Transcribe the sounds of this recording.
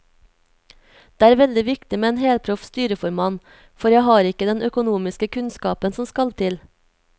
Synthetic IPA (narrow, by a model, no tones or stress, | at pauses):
d̪̥eːæːɾʋɛld̪ɪʋɪkt̪ɪmeːeːnheːlpʰɾʊfst̪yːɾəfɔɾmɑːn | fɔɾjæɪhɑːɾɪkəd̪ɛnʔœkʊnuːmɪskəkʰʉnskɑːpənsɔmskɑlt̪ʰɪl